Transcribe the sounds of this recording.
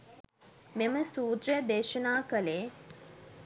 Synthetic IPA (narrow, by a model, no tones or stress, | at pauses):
meməsuːd̪ɾəjəd̪eːʃənaːkəleː